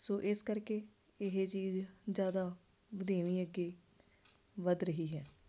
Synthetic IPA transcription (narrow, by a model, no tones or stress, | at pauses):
soːʔɪskəɾkeː | ɪɦet͡ʃiːzd͡ʒjaːd̪aː | bəd̪eːʋiːəɡːeː | ʋəd̪ɾəɦiːɦɛː